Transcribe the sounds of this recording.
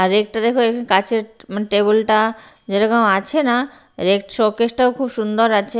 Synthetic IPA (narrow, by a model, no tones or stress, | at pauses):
aɾɾek̚ʈad̪ekʰoekʰonkat͡ɕʰeɾmaneʈebolʈa | d͡ʑeʈakonoat͡ɕʰena | ɾek̚ʈʃokeʃʈaokʰubʃund̪oɾat͡ɕʰe